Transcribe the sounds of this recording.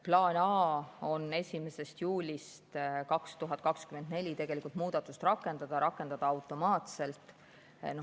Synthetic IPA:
plɑːnɑːo̞nːe̞sʲimese̞st̪juːlʲist̪kɑkst̪uɦɑt̪̚ːˑkɑkskyme̞nd̪nelʲit̪e̞ɡ̥e̞likult̪muːd̪̥ɑt̪ːˑust̪rɑkːˑe̞nd̪̥ɑd̪̥ɑɾʔɑkːˑe̞nd̪̥ɑd̪̥ɑɑwt̪ːˑo̞mɑːt̪se̞lt̪ˑ | n

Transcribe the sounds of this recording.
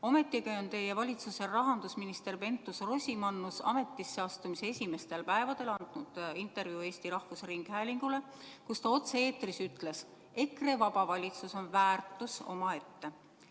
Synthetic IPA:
o̞me̞t̪ːˑikeont̪e̞jevɑlʲit̪suse̞rɑɦɑnd̪usminist̪e̞rpe̞nt̪ːusro̞sʲimɑnːusɑ̰me̞t̪ːˑisːeɑst̪umiseesʲime̞st̪e̞lpæevɑd̪̥e̞lɑnd̪̥nud̪̥int̪ˑe̞rviue̞ːsʲt̪iɾɑhvusriŋɡ̥hæːlʲiŋɡ̥ule̞ | kust̪ɑo̞t̪seeːt̪risyt̪ˑle̞s | e̞kre̞vɑb̥ɑvɑlʲit̪suso̞nvæːrt̪ˑːuso̞̰mɑe̞t̪ːe̞

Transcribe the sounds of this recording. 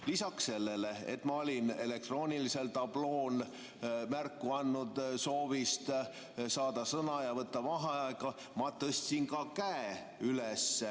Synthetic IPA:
lisɑksse̞lːeleḛt̪ːˑmɑo̞lʲine̞le̞k̚t̪ro̞ːnʲilise̞lt̪ɑb̥lo̞ːn | mærkːuɑnːud̪so̞ːvist̪ | sɑːd̪̥ɑsɤnɑjɑvɤt̪ːɑvɑɦɑkɑ | mɑt̪ːɤst̪sinkɑkæe | ylesː

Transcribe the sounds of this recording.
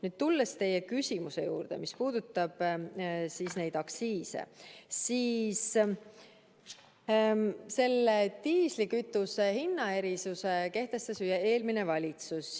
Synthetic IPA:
nyːd̪̥t̪ulːest̪e̞je̞kysʲimuse̞̰jṵːɾd̪̥e̞̰mispuːd̪ut̪ːˑɑb̥siːsne̞jd̪̥ɑksiːse̞̰siːs | se̞lːet̪iːslikyt̪ːˑusehinːɑe̞ɾisuse̞ke̞ht̪e̞st̪ɑsyjee̞ːlmine̞vɑlʲit̪sus

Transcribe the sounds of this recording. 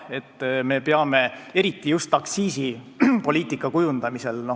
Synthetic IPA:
e̞t̪ːme̞peɑme̞e̞ɾit̪ːˑijust̪ːɑksiːsipo̞lʲiːt̪ːˑikːˑɑkujund̪̥ɑmise̞lno̞

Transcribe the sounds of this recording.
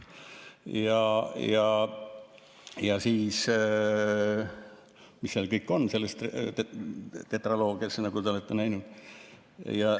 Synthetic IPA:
jɑjɑ | jɑsiːs | misːelkɤjkːo̞nːse̞lːest̪ | t̪et̪rɑlo̞ːɡiɑsnɑɡ̥ut̪eolet̪ːenæjnud̪̥ | jɑ

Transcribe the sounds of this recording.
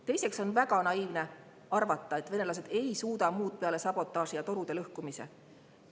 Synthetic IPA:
t̪e̞jse̞kso̞nvæɡ̥ɑnɑiːvne̞ | ɑrvɑt̪ːɑe̞t̪ːˑve̞ne̞lɑs̬e̞d̪̥e̞jsuːd̪ɑmuːd̪̥̚peɑle̞sɑb̥o̞t̪ˑːɑːsijɑt̪o̞ɾud̪̥e̞lɤhkumise̞̰

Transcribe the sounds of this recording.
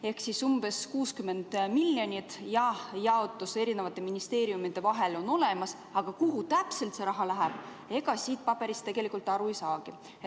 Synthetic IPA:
e̞hksisumb̥e̞skuːskymːe̞nd̪̥milːjonʲit̪ˑjɑhjɑo̞t̪ːˑuse̞ɾine̞vɑt̪ːˑe̞minist̪e̞ːɾiumid̪e̞vɑɦe̞lo̞nːo̞le̞mɑs | ɑɡ̥ɑkuɦut̪æpse̞lt̪se̞ɾɑɦɑlæɦæb̥ | e̞ɡ̥ɑsiːt̪̚pɑb̥e̞ɾist̪e̞ɡ̥e̞likˑult̪ːˑɑɾuisɑːɡ̥i

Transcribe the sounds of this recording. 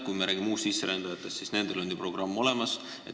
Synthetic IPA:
kujmeɾæːɡimuːst̪sisːeɾend̪̥ɑjɑt̪ːˑe̞st̪sisne̞nd̪̥e̞lo̞nʲd̪ipro̞ɡ̥rɑmːo̞le̞mɑs | ḛ

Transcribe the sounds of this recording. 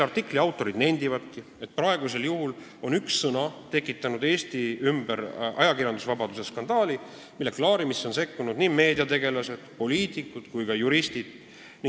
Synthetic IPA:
ɑrt̪ːikːˑliɑwt̪ːˑo̞ɾid̪ne̞nd̪̥ivɑt̪̚ki | e̞t̪̚prɑe̞ɡ̥use̞ljuɦul | o̞nyksːɤnɑt̪e̞kːˑit̪ːˑɑnud̪e̞ːst̪iymb̥eɾʔɑ̰jɑkirjɑnd̪usvɑbɑd̪̥use̞skɑnd̪ɑːli | milːe̞klɑːɾimisːo̞nse̞kːunud̪̥nime̞ːd̪iɑt̪e̞ɡe̞lɑse̞d̪̥po̞lʲiːt̪ˑikːˑut̪kujkɑjuɾist̪id̪̥ | ni

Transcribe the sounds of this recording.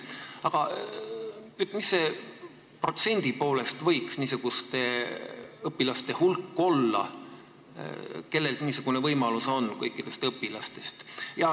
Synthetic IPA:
ɑɡ̥ɑ | yt̪misːe̞ | pro̞t̪se̞nʲd̪̥ipo̞ːle̞st̪vɤjksniːsuɡ̥ust̪e | ɤpːilɑst̪e̞hulkːo̞lːɑ̰ | ke̞lːe̞lt̪niːsuɡ̥une̞vɤjmɑluso̞nkɤjkːid̪̥e̞st̪ɤpːilɑst̪e̞st̪jɑ

